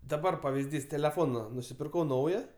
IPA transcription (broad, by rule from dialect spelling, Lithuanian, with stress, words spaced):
dɐˈbɐr pɐʋʲɪzʲˈdʲiːs tʲɛlʲɛˈfoːnɐ nʊsʲɪpʲɪrˈkɐʊ ˈnɐʊjɛ